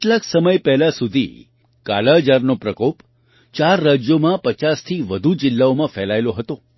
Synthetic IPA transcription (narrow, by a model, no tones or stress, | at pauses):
ɪʈlaksəməjpɛɦlasud̪ʱḭ | ka̰laɦd͡ʒaɾnopɾəkop | t͡ʃaɾːad͡ʒjomãpət͡ʃast̪ʰiʋəd̪ʱud͡ʒɪlːaomãfɛlajloɦət̪o